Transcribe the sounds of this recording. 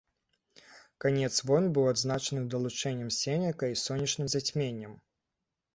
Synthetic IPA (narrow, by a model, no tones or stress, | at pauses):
kanʲɛt̪svɔnbɨwad̪znat͡ʂɐnɨd̪ɐlˠut͡ʂɛnʲːɐmsʲɛnʲɐkɐisɔnʲːɐt͡ʂnɨmzat͡sʲmʲenʲːɐm